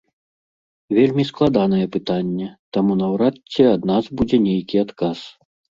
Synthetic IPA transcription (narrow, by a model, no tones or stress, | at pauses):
vʲelʲmʲisklˠad̪an̪ɐjɛpɨt̪anʲːɛt̪amunɐwɾatʲːɛad̪nazbud͡zʲɛnʲejkʲiat̪kas